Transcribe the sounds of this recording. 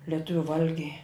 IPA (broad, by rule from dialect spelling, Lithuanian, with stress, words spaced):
lʲɛˈtʊʋʲʊ ˈʋɐlʲɡʲɛɪ